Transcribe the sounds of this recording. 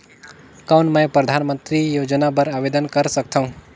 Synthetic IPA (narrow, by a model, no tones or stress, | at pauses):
kaʊnmə̃jpɾəd̪ʱanmə̃nt̪ɾijod͡ʒnapəɾaʋed̪ənkəɾsək̚t̪ʰaɦũ